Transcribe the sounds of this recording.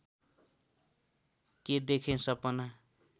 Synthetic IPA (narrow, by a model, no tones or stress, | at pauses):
ked̪ekʰẽsʌpʌna